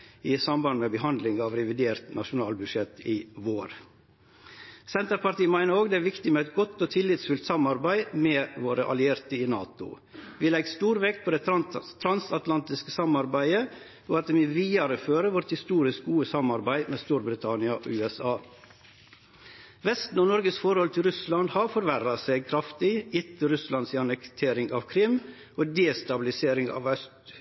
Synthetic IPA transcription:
ɪsɑmbɑnmɛbəɦɑnd̪lɪŋɑːʋɾɛʋɪd̪eːɾt̪nʔɑʂʊnɑːlbʉd̪ʂɛt̪ɪʋoːɾ | sɛnt̪əɾpɑɾʈt̪iːmæɪnəɾoːɡd̪ɛæɾʋɪkt̪ɪmɛɛt̪̚ɡɔt̪ːɔːt̪ʰɪlːɪt̪sfʉlt̪sɑmɑɾbæɪmɛːʋoːɾəʔɑ̰lɪeːɾt̪əɪnɑːt̪ʊ̰ | ʋiːlɛɡst̪uːɾʋeːkpʰɔːd̪ɛt̪ʰɾɑnsɑt̪lɑnt̪ɪskəsɑmɑɾbæɪə | oːɑt̪̚d̪ɛmʋɪːʋiːɑɾəføːɾəʋɔʈ̪hɪst̪uːɾɪsk̚ɡuːəsɑmɑɾbæɪmɛːst̪uːɾbɾɪt̪ʰɑnɪɑʔɔ̰ʉɛsɑː | ʋɛst̪n̩ɔnɔɾɡəsfɔɾhɔlt̪ʰɪlɾʉslɑnd̪hɑɾfɔɾʋæɾɑseːɡ̚kʰɾɑft̪ɪɪt̪əɾʉslɑnsɪɑnəkt̪ʰeːɾɪŋɑʋkʰɾɪm | ʔoːd̪eːst̪ɑbɪlɪseːɾɪŋɑ̰ːʋœst̪

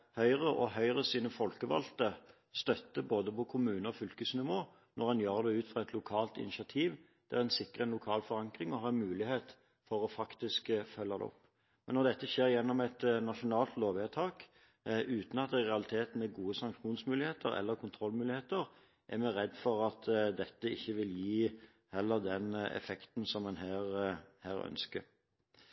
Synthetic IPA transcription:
hœʏʁəʔɔɦœʏʁəsiːnəfɔlkəʋɑ̰lt̪ə | st̪œt̪ːəboːd̪əpɔkʰʊmʉːnəɔfʏlkəsnɪʋoː | nʔɔʁɑnjøːʁəd̪ɛʉːt̪fʁɑːɛt̪ʰlʊkʰɑːlt̪ɪ̰nɪʃɑt̪ʰiːʋ | d̪̥ɛæʁɛnsɪkːʁəɛnlʊkʰɑːlfɔʁɑŋkʁɪŋɔɦɑːɛnmʉːlɪheːt̪ | fɔɾɔfɑkt̪ɪskfœlːɑd̪ɛ̰ɔ̰pː | mɛnːɔʁd̪ɛt̪ːəʃeːɾjɛnːɔmɛt̪nɑʂʊnɑːlt̪loːʋet̪ʰɑːk | ʉːt̪n̩ɑt̪̚d̪ɛʁɛɑlɪt̪ʰeːt̪n̩ɛɡuːəsɑŋkʂuːnsmʉːlɪheːt̪əɾɛ̰lːəɾkʰʊnt̪ʰɾɔlːmʉːlɪheːt̪əʁ | ʔæɾmɛɾɛd̪ːfɔɾɑt̪d̪ɛt̪ːəɪçːəʋɪljiː | hɛlːəd̪ɛnɛ̰fɛkt̪n̩sɔmːɛnɦæːʁhæːɾœ̰nskə̰ɾ

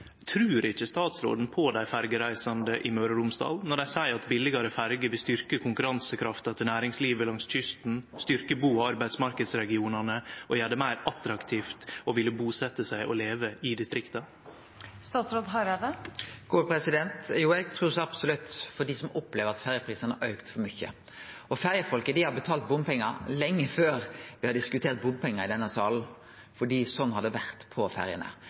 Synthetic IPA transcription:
t̪ʰɾʉːɾɪçːəst̪ɑːt̪sɾo̰ːd̪n̩pʰɔd̪æɪfæɾɡəɾæɪsɑnd̪əʔɪmøːɾəɾʊmsd̪ɑ̰ːlnɔɖæɪsæɪɾɑt̪bɪlɪɡɑɾəfæɾɡəɾʋɪlst̪ʏɾkəkʰʊŋkʉɾɑnsəkʰɾɑft̪ɑt̪ʰɪnæːɾɪŋsliːʋəlɑŋsc͡çʏst̪n̩st̪ʏɾkəbuːɑɾbæɪd̪smɑɾkəd̪sɾɛɡɪuːnɑnəʔɔjæːɖəmæɪɾɑt̪ɾɑkt̪ʰiːft̪ɔʋɪlːəbuːsɛt̪ːəsæɪʔɔleːʋəɪd̪ɪst̪ɾɪkt̪ɑ | st̪ɑːt̪sɾoːd̪ɦɑʋed̪əɡ̥uːpʰɾɛsɪd̪ɛnt̪juːɛɡt̪ʰɾuːsɑbsɔlʉt̪ːfɔɖ̪isɔmɔpːleːʋəɾɑt̪fæɾjəpʰɾiːsənəʔœʉkt̪fɔɾmʏçə̰ | ɔfæɾjəfɔlkəd̪ɪhɑɾbət̪ʰɑːlt̪̚bʊmpɛŋːəɾlɛŋːəføːɾʋɪhɑd̪əd̪ɪskʉt̪ʰeːɾt̪̚bʊmpʰɛŋːəɾɪd̪ɛnːəsɑːln̩ | fɔɖiːsɔnːhɑd̪ːəʋæʁt̪pʰɔfæɾjə̰nə̰

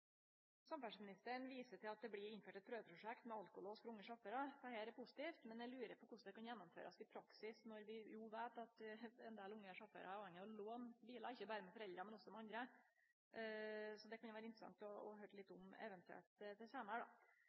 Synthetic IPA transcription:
sɑmfæʂmɪnɪst̪əɳʋiːsəʈʰɪlɑt̪̚d̪ɛblɪɾɪnføːʈɛt̪̚pʰɾøːʋəpʰɾʊʂɛkt̪mɛɑlkʊlosfɔɾʊŋːəʂɑfəɾɑt̪ʰɑheːɾɛpʰʊsɪ̥t̪iːft̪mɛnɛlʉːɾəpʰɔkʊʂd̪ɛkɑnjɛnːʊmfø̰ːɾɑsɪpʰɾɑksɪsnɔɾʋɪjuːʋeːt̪ɑt̪ɛnd̪eːlʊŋːəʂɑfə̰ɾɑæpɑːʋɛŋːəɔloːnbiːlɑɪçːəbæːɾəmɛfɔɾɛld̪ɾɑmɛnɔsːɔmɛɑnd̪ɾə | sɔd̪ɛkʰɑnjʊʋæːɾəɪnt̪ɾəsɑ̰ŋt̪ɔɔ̰ɦøːɾlɪt̪ːʊmɛ̰ʋɛnt̪ʰʉɛ̰lt̪t̪ɪseːnɖɑ̰

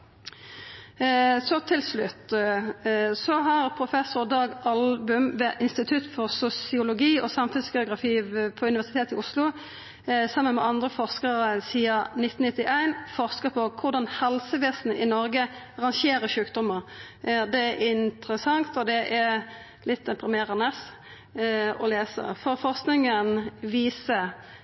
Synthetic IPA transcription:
sɔt̪ʰɪlslʉt̪ː | sɔɦɑʁpʰʁʊfɛsʊʁd̪ɑːɡɑlbʉmʋeːʔɪnst̪ɪt̪ʰʉt̪fɔʁsʊsɪʊlʊɡiːɔsɑmfʉnsɡɛʊɡʁɑfiːʋpʰɔʉnɪʋæʁsɪt̪ʰeːt̪ɪʔʊslʊ | sɑmːənmɛ̰ɑnd̪ʁəfɔʁskəʁəsiːɑnɪt̪ːn̩nɪt̪ːɪʔæɪnfɔʁskəpʰɔkʰʊʁd̪ɑnhɛlsəʋeːsnəʔɪnɔɾɡə | ɑʁɑŋʃeːɾəʃʉːkd̪ɔməɾ | d̪ɛæɪnt̪ɾəsɑŋt̪ɔd̪ɛʔɛ | lɪt̪̚ːd̪ɛpʰɾɪmeːʁənəs | ɔleːsə̰fɔʁfɔʁsknɪŋənʋiːsə

